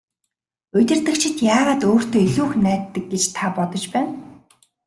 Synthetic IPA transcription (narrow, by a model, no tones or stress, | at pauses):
ɵt̪ʲɪ̆rt̪ɘ̆kt͡ɕʰɪ̆t̪jaːʁaːt̪oːr̥t̪ʰoːiɮuːxnæːt̪ːə̆k̚ɡet͡ɕt̪ʰapɔt̪ɞ̆t͡ɕpæːn